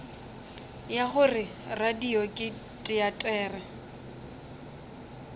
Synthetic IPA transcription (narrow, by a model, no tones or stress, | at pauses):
jaχʊrɪ | radiɔkʼɪ | tʼɪatʼɛːrɛ